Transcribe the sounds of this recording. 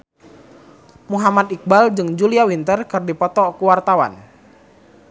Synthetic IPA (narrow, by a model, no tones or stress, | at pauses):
muɦamat̪ik̚bald͡ʒɨŋd͡ʒuliawint̪ərkɨrdipɔt̪ɔkuwart̪awa̰n